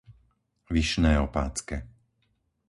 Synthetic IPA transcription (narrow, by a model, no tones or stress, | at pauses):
ʋiʃnɛːɔpa̰ːt͡skɛ